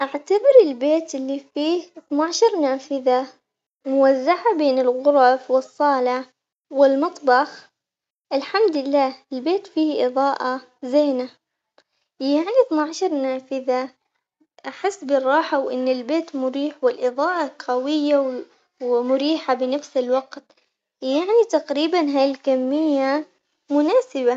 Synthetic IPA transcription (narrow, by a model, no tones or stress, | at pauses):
ʔaʕt̪abɪɾɪlbeːt̪ʔɪlːifiːhθnaʕʃɑɾˤnaːfɪða | mʊwazːaʕabeːnɪlɣʊɾˤɑfwɨsˤːɑːlɪ | wɪlmɨt̪ˤbɑx | ʔɪlħamd̪ɪlːaːɪlbeːt̪fiːhʔɨðˤɑːʔa | zeːna | jaʕniθnaʕaʃɑɾˤnaːfɪða | ʔaħɪsːbɪrˤːɑːħawʔɪnːɪlbeːt̪mʊɾiːħwɪlʔɨðˤɑːʔɑqawɪjːaw | wmʊɾiːħabɪnafsɪlwɑqt̪ | jaʕnit̪aqɾiːbanɦaːjlkamːɪjːa | mʊnaːsɪba